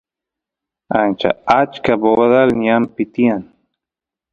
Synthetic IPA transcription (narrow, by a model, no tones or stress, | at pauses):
ant͡ʃa̰at͡ʃkaboβaðalniampit̪ian